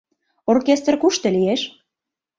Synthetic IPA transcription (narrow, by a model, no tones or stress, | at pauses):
orkest̪rkuʃt̪ĕlijeʃ